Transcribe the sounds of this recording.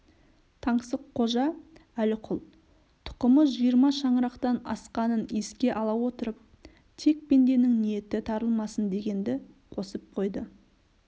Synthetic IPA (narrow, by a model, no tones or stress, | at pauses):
t̪ʰɑɴsəqʰːo̞ʒɑælɪqʰʊlˠ | t̪ʰʊ̥qəməsʒijəɾmɑʃɑɴɾɑqt̪ɑnɑ̰sqɑnəne̞skʲe̞ʔɑlˠɑwo̞t̪əɾəp̚ | t̪ʰe̞k̚pe̞nd̪e̞nɪŋnije̞t̪ɪt̪ʰɑɾəlˠmɑsənd̪e̞ɡʲe̞nd̪ɪ | qʰo̞səp̚qʰo̞jd̪ə